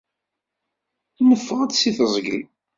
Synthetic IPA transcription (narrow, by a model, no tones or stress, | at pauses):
nːəfːəʁæt͡ssiθəzˤɡəl